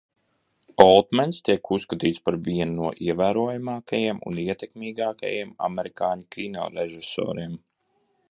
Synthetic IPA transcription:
ɔlˠt̪mɛnst̪iɛkusːkat̪iːt̪spaɾviɛnunuɔʔiɛvæːɾuɔjamɑːkajiɛmṵniɛt̪ɛkmiːɡaːka̰jiɛma̰meɾikaːɲkʲʰinɔ̰ːɾeʒisɔ̰ːɾiɛm

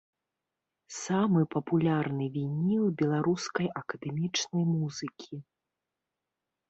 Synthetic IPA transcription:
samɨpɐpulʲarnɨvʲinʲiw̪bʲɛlˠaɾuskɐjʔɐkɐd̪ɛmʲit͡ʂnɐjmuzɨkʲʰi

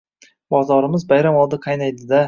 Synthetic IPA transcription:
bɒzɒɾɪmɪzbajɾamɒlˠd̪ɪqʰɑjnajd̪ɪd̪a

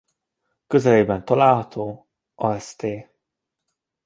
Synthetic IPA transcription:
køzɛleːbɛnt̪ɒlaːlɦɒt̪ʰoː | ɒɛst̪eː

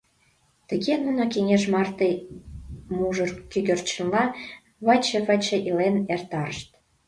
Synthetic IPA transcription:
t̪ə̆ɣenunokeŋeʃmɑrt̪ej | muʒərt̪kyɣørt͡ɕə̆nlɑ | βɑt͡ɕeβət͡ɕĕʔilenert̪ɑɾəʃt̪̚

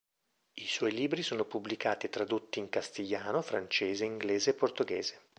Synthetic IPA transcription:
iswɔjliːbɾisoːnopublikaːt̪iet̪ːɾad̪ot̪ːiːŋkast̪iʎːaːnofɾant͡ʃeːzeiŋɡleːzeːpːort̪oɡḛːze

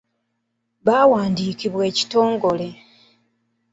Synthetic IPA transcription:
βaːwaːndiːkiβwe̞ːci̥to̞ːŋɡole̞

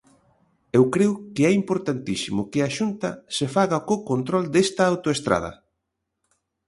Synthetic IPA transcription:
ewkɾeʊkɪɛimpoɾt̪ant̪isimʊkɪaʃunt̪ɐsefaɣɐkokont̪ɾɔld̪est̪ɐawt̪oest̪ɾa̰ð̞ɐ̰

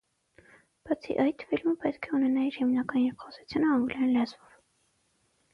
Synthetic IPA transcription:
b̥ɑt͡sʰḭʔɑjt̪filməpɛt̪kʰɛunɛnɑiɾhimnɑkɑjinjɛkχɔsu̥t͡sʰjunəɑŋɡlɑjinlɑzvɔv

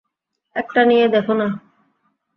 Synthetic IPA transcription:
ek̚ʈanijed̪efona

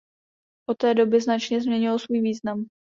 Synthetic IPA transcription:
ʔot̪ɛːdo̞bɪznat͡ʃɲɛzmɲɛɲɪlsvuːjviːznam

